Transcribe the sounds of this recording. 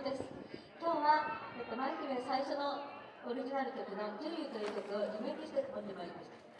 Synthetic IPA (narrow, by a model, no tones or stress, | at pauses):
d̪e̞sɨ̥ | kʲo̞ːβaet̪ːomaĩkimẽsaiɕo̞no̞ | oɾʲiʑinaɾɯ̟t̪o̞kʲino̞kɯɾbɯt̪o̞jɯːt̪okɯ̟o̞d͡ʑimẽk̪iɕi̥t̪et͡sɨ̥mond̪ebaiɾimaɕt̪ḁ